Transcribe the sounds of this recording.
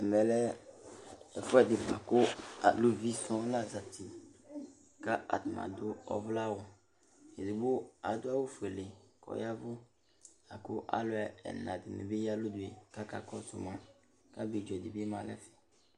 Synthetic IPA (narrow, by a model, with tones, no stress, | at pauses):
ɛ˨mɛ˨lɛ˦ | ɛ˨fʊ˦ɛ˦dɪ˨ba˨kʊ˦a˨lo˦vi˦sɔ̃˦la˦˨za˨ti˨ | ka˦a̰˨t̪mã̰˨d̪ʊ˦ɔ̰˦vla˦wɔ˨ | e˨di˨bʊ˦a˨˦d̪ʊ˦a˦wo˦fe˨le˨kʰɔ̰˨ja˦vʊ˦ | a˨kʊ˦ʔa̰˨lʊ˦ɛ˨ɛ̰˨nã˨dɪ˨mḛ˨be˦ja˦lʊ˦d̪ʊ˨e˨ka˦ka̰˨kɔ˦sʊ̰˨mã˨ | ka˦bi˨d͡ʒɔ˨di˨bmã˨lɛ̰˦fi̥˨